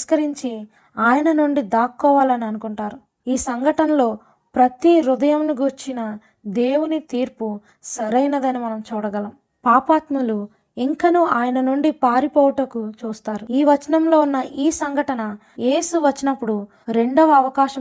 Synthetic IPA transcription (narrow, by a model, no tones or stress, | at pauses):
ʃkɐɾiɲt͡ʃi | aːjɐnɐnuɳɖid̪aːkːɔːʋaːlɐniɐnukuɳʈaːɾu | iːsɐŋɡʱɐʈɐnɐlo̞ː | pɾɐt̪iɾud̪ɐjɐmniɡuɾt͡ʃinɐ | d̪e̞ːwunit̪iːɾpu | sɐɾɐjnɐd̪ɐnimɐnɐmt͡ʃuːɽɐɡɐlɐm | paːpaːt̪mɐlu | iŋkɐnuːaːjɐnɐnuɳɖipaːɾipɔːʋɐʈɐkut͡ʃuːst̪aːɾuiːʋɐt͡ʃɐnɐmlo̞ːunːɐʔiːsɐŋɡʱɐʈɐnɐ | je̞ːsuʋɐt͡ʃːinɐpːuɽu | ɾe̞ɳɖɐʋɐɐʋɐkaːʃɐ